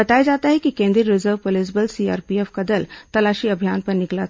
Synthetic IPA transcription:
ɐt̪aːjad͡ʒaːt̪aɦɛkikẽːnd̪ɾiəɾɪzəɾʋpolɪsbəlsia̰ːɾpieːfkɐd̪əlt̪ɐlaːʃiɐbʱijaːnpɐɾnɪklat̪ʰ

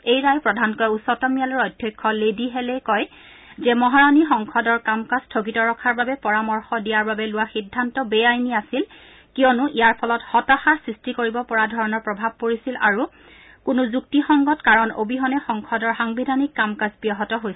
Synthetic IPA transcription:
ejɹajpɹɔdʱankɔjusɔtɔmijalɔɹɔdʱjɔkʰːɔlediɦɛlɛkɔj | zɛmɔɦaɹanixɔŋkʰɔdɔɹkamkastʰoɡitɔɹɔkʰaɹbabɛpɔɹamɔɹxɔdijaɹbabɛlʊwaxidʱːantɔbɛjajniasil | kijɔnʊʔijaɹpʰɔlɔtxɔtaxaɹsɹistikoɹibɔpɔɹadʱɔɹɔnɔɹpɹɔbʱab̚koɹisila̰ɹu | kʊnʊzuk̚tixɔŋɡɔtkaɹɔno̰biɦɔnɛxɔŋkʰɔdɔɹxaŋbidʱanikːamkasbijɔɦɔtɔɦojs

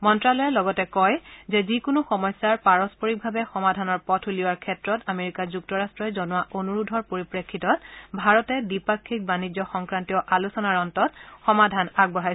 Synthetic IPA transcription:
mɔntɹalɔjɛlɔɡɔtɛkɔjzɛzikʊnʊxɔmɔjsːaɹpaɹɔspɔɹik̚bʱabɛxɔmadʱanɔɹpɔtʰuliwaɹkʰɛtɹɔtameɹikazuktɔɹastɹɔjzɔnʊwaʔonuɹudʱɔɹpoɹipɹekʰːitɔt̚bʱaɹɔtɛdipakʰːik̚banid͡ʒɔxɔŋkɹantiɔʔalusɔnaɹɔntɔt̚xɔmadʱanaɡ̚bɔɦajs

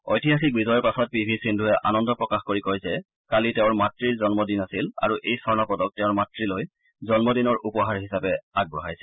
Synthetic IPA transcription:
ojtiɦaxik̚bizɔjɔɹpasɔt̚pibʱisindʱuɛʔa̰nɔndɔpɹɔkaxkoɹikojzɛ | kalitɛʊ̃ɹmatɹiɹzɔnmɔdinasila̰ɹuʔejsɔɹnapɔdɔk̚tɛʊ̃ɹmatɹiloj | zɔnmɔdinɔɹʔupɔɦaɹɦisapɛaɡ̚bɹɔɦajsɛ̥

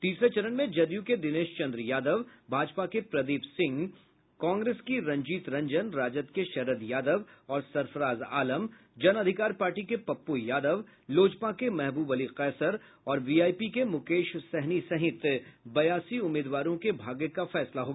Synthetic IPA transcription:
t̪iːsɾet͡ʃɐɾənmẽd͡ʒɐd̪jũked̪ɪneːʃt͡ʃɐ̃nd̪ɾjaːd̪əʋbʱaːd͡ʒpakepɾɐd̪iːpsɪ̃ŋɡ | kɔ̃ːŋɡɾeːskiɾɐ̃ɲd͡ʒiːt̪ɾɐ̃ɲd͡ʒənɾaːd͡ʒət̪keʃɐɾəd̪jaːd̪əʋɔːɾsɐɾfəɾaːza̰ːləm | d͡ʒɐnɐd̪ʱɪkaːɾpaːɾʈikepɐpːujaːd̪əʋ | loːd͡ʒpakemɛɦbuːbɐliqɛːsəɾ | ɔːɾʋiːaːjpikemʊkeːʃsɛɦnisɐɦɪt̪bɐjaːsiʊmːiːd̪ʋaːɾõkebʱaːɡekafɛːslaɦoːɡaː

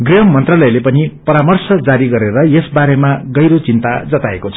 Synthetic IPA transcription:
ɡriɦʌmːʌnt̪ralʌjlepʌnipʌɾamʌrsʌd͡zaɾiɡʌɾeɾʌjesbaɾemaɡʌjɾot͡sint̪ad͡zʌt̪aekot͡sʰʌ̥

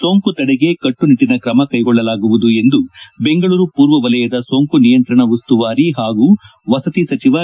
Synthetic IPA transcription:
so̞ːŋkut̪ɐɽɛɡe̞kɐʈːuniʈːinɐkɾɐmɐkɐjɡɔɭːɐlaːɡuʋud̪ue̞nd̪ubeŋɡɐɭuːɾupuːɾʋɐʋɐlɐjɐd̪ɐso̞ːŋkunijɐnt̪ɾɐɳɐʋɐst̪uʋaːɾiɦaːɡu | ʋɐsɐt̪isɐt͡ʃiʋaː

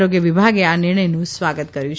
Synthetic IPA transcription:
ɾoɡjəʋibʱaɡeanɪɾɳəjnũsʋaɡət̪kəɾjũt͡ʃʰ

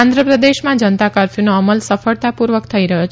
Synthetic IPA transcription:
ãnd̪ɾəpɾəd̪eʃmãd͡ʒənət̪akaɾfʰjunoəməlsəfəɭt̪apuɾʋəkt̪ʰəiɾəɦjot͡ʃʰ

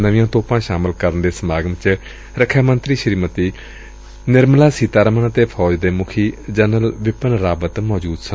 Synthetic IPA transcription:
nəʋĩjãːt̪oːpãːʃaːmɪlkəɾənd̪eːsəmaːɡəmt͡ʃ | ɾəkʰːjaːmənt̪ɾiːʃɾiːmət̪iː | nɪɾmlaːsiːt̪aːɾəmənət̪eːpʰɔːd͡ʒd̪eːmʊkʰiːd͡ʒənəlʋɪpənɾaːbət̪mɔːd͡ʒuːd̪sə

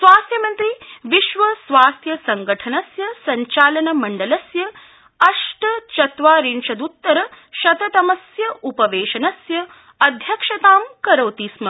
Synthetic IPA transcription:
sʋaːst̪ʰjɐmɐnt̪ɾiʋiʃʋɐsʋaːst̪ʰjɐsɐŋɡɐʈʰɐnɐsjɐsɐɲt͡ʃaːlɐnɐmɐɳɖɐlɐsjɐ | ɐʂʈɐt͡ʃɐt̪ʋaːɾinʃɐd̪ut̪ːɐɾɐ | ʃɐt̪ɐt̪ɐmɐsjɐʔupɐʋeːʃɐnɐsjɐ | ɐd̪ʱjɐkʂɐt̪aːmkɐɾɐwt̪iːsmɐ

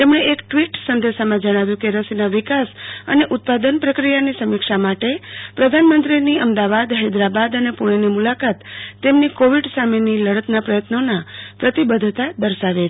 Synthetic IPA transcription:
t̪emɳeekʈʋiʈsənd̪ʱesamãd͡ʒəɽ̃aʋjũkeɾəsinaʋikasəneʔʊt̪̚pad̪ənpɾəkɾijanisəmikʂamaʈepɾəd̪ʱanmənt̪ɾiniəmd̪aʋad̪ɦəed̪ɾabad̪ənepuɽ̃enimulakat̪ːemnikoʋiɖsameniləɽət̪napɾəjət̪nonapɾət̪ibəd̪ʱt̪ad̪əɾʃaʋe

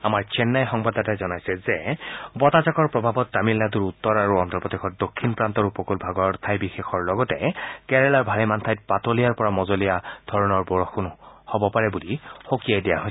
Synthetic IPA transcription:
amaɹt͡ʃɛnːajxɔŋbadatazɔnajsɛzɛbɔtazakɔɹpɹɔbʱabɔtːamilːaduɹutːɔɹaɹuɔntɔpɔd̪exʰɔt̚dokʰːinpɹantɔɹupɔkulbʱaɡɔɹt̪ʰajbixexɔɹlɔɡɔtɛkɛɹɛlaɹbʱalimantʰajt̚patolijaɹpɔɹamɔzolijad̥ʱɔɹɔnɔɹbɔɹɔxunhobɔpaɹɛbulixokijajdijaɦoj

